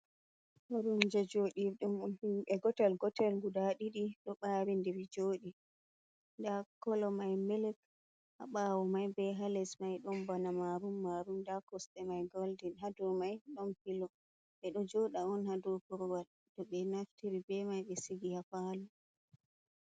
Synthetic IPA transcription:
waɾumd͡ʒad͡ʒoɗiɗumhiɛɡɔtalɡɔtɛlɡudaɗiɗiɗɔɓaːɾindɛɾid͡ʒoːɗi | ndakɔlɔmajmilɛk | ha̰ɓawɔmajbɛɦalɛsmajɗɔnbanamaɾumːaɾumdakɔsɗɛmajɡɔldinɦadɔmajɗɔnhilɔ | ɓɛɗɔd͡ʒɔɗaɔnhadɔpɔɾɔwal | d̥ɔɓɛnaftiɾibɛmajɓɛsiɡihafalu

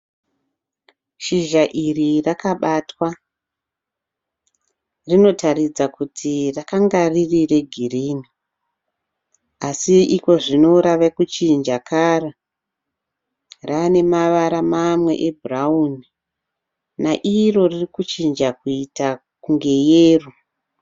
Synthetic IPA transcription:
ʃiʒaʔirirakaɓatwa | rino̞tʰaɾid͡zakutʰirakaŋɡaririre̞ɡʱiriːni | asiiko̞ʐino̞ɾaʋekut͡ʃind͡ʒakʰaːra | rane̞maʋaɾamamwe̞̰ʔebʱurauni | naʔiro̞ririkut͡ʃind͡ʒakuita | kuŋɡe̞jeːru

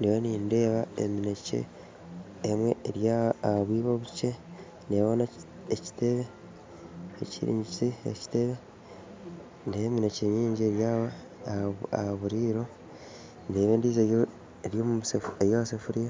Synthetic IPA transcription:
ndewoniːnde̞ːβaḛminecḛː | mwe̞̰ːɾjaːaaβwiːβoβuce | neːβonaː | ci̥te̞βe̞ | ecḭɾḭːɲɟit͡sieci̥te̞βe | ndejeːmineceɲiːɲɟieɾjaːβa | ahaβuɾiːɾo̞ | ndeːβeːndiːzeo | eɾjoːmuseejoasefuɾija

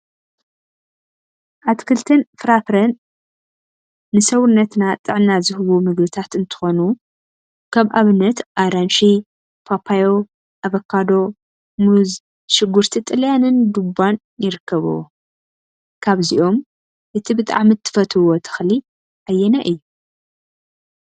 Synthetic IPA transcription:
ʔat̪kʰɨlt̪ʰɨnfɾafɾɐn | ɨsɐwnːɐt̪nat̪ʼɨʕnazɨhɨβumɨɡbɨt̪ʰat̪ɨnt̪ʰɨ̥xo̞nu | kʰaβʔaβɨnːɐt̪ʔaɾanʃi | pʰapʰajo̞ | ʔaβɐkʰːad̪o̞ | muz | ʃɪɡːuɾt̪ʰit̪ʼɨljanɨnd̪ubːan | jɪɾɨkːɐβṵ | kʰaβziʔo̞m | ʔɨt̪ʰibɨt̪ʼa̰ʕmit̪ʰːɨ̥fɐt̪ʰwot̪ʰɨ̥xli | ʔajːɛnaʔɨjːu

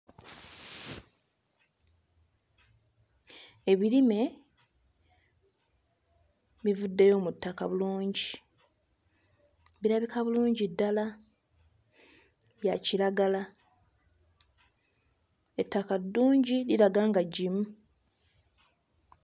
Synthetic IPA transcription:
eβiɾime̞ | βivudːejo̞ːmutːakaβuluːɲɟi | βiɾaβikʰaβuluːɲɟidːala | βjaciɾaɡala | etːakadːuːɲɟiliɾaɡaːŋɡaɟimu

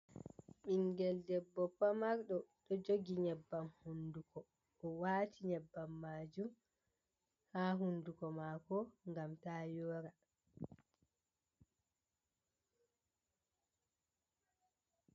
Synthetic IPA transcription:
ɓiŋɡɛldɛbːɔpamaɾɗɔɗɔd͡ʒoɡiɲɛbːamhundukʰɔ | ɔwaːtʰiɲɛbːamːaːd͡ʒum | haːɦundukɔmaːkɔŋɡamtaːjɔːɾa

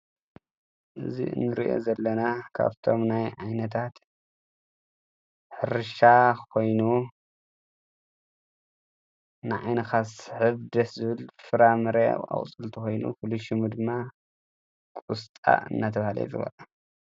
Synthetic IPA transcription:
ʔɨzḭɨ̰nːɨɾiʔo̞̰zɐlːɐnakʰa̰βt̪ʰo̞mnajʕajnɐt̪ʰat̪ | ħɨɾɨʃakʰo̞jnu | nɨʕa̰jnɐxasɨħɨβd̪ɐszɨβɨlfɨɾamɨɾea̰wʼt͡sʼɨlt̪ʰuxo̞jnṵfuluʃimud̪ɨmːa | kʼust̪ʼa̰ɨ̰nːat̪ʰɐβahalḛluɡɐ̰la

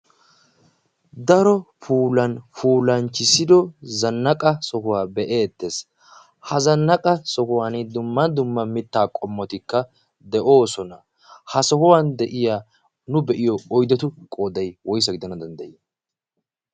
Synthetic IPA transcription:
d̪ɐɾɔfuːlɐnfuːlɐnt͡ʃːɪsɪd̪ɔzɐnːɐkʼɐsɔkʊwaːbɛʔe̞ːt̪ːes | hɐzɐnːɐkʼɐsɔkʊwanɪd̪ʊmːɐd̪ʊmːɐmɪt̪ːaːkʼɔmːɔt̪ɪkːɐ | d̪ɛʔo̞ːsɔnɐ | hɐsɔkʊwand̪ɛʔɪjaː | nʊbɛʔɪjɔɔjd̪ɛt̪ʊkʼo̞ːd̪ɐjwɔjs̬ːɐɡɪd̪ɐnɐd̪ɐnd̪ɐjɪ

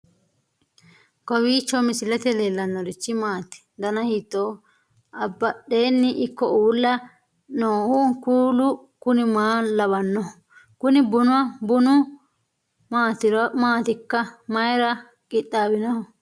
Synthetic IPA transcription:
kɔwiːt͡ʃːɔmɪsɪlɛt̪ɛleːlːɐnːɔd̪ɪt͡ʃːɪmaːt̪ɪ̥d̪ɐnɐhit̪ːoː | ɐbːɐɗeːnːɪʔɪkːɔuːlːɐ | noːhuːkuːlʊ | kʊnɪmaːlɐβɐnːɔ | kʊnɪbʊnʊwɐbʊnʊ | maːt̪ɪɾmaːt̪ɪkːɐmɐjɾɐ | kʼɪt̪ʼːaːbɪnɐhɔ

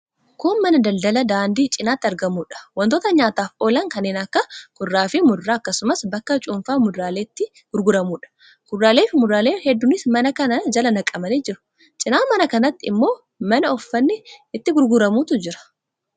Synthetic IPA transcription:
kʰuːnmːɐnɐd̪ɐld̪ɐlɐd̪aːnd̪iːt͡ʃʼɪnaːt̪ːɪɐɾɡɐmuːᶑɐ̥wɐnt̪oːt̪ɐɲaːt̪aːfoːlɐŋkɐnːeːnɐkːɐkʊrːaːfɪmʊrːaːɐkːɐsʊmɐsbɐkːɐt͡ʃʼʊmfaːmʊdɾaːleːt̪ːɪ | ɡ̥ʊɾɡʊɾɐmuːᶑɐ̥ | ɡ̥ʊrːaːle̞ːfɪmʊrːaːle̞ːhɛd̪ːʊnɪsmɐnɐkɐnɐd͡ʒɐlɐnɐkʼːɐmɐneːd͡ʒɪɾʊ̥ | t͡ʃʼɪnaːmɐnɐkɐnɐt̪ːɪɪmːo̞ː | mɐnɐɔfːɐnːɪɪt̪ːɪɡʊɾɡʊɾɐmuːt̪ʊd͡ʒɪɾɐ̥

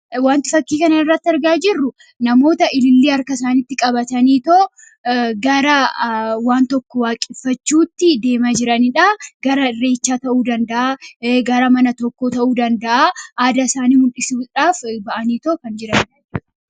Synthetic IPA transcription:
waːnt̪ɪfɐkːiːkɐnɐnɪrːɐt̪ːɪɐɾɡaːd͡ʒɪrːʊ | nɐmo̞ːt̪ɐʔɪlɪlːiːɐɾkɐɪsaːnɪt̪ːɪkʼɐbɐt̪ɐniːt̪oː | ɡɐɾɐwaːnt̪ɔkːɔwaːkʼɪfːɐt͡ʃːuːt̪ːɪd̪e̞ːmad͡ʒɪɾɐnɪᶑaɡ̥ɐɾɐre̞ːt͡ʃːaːt̪ɐʔuːd̪ɐnd̪ɐʔaːɡɐɾɐmɐnɐt̪ɔkːoːt̪ɐʔuːd̪ɐnd̪ɐʔaʔaːd̪asaːniːmʊlᶑɪsuːᶑaːfbɐʔɐniːt̪oːkɐnd͡ʒɪɾɐnː

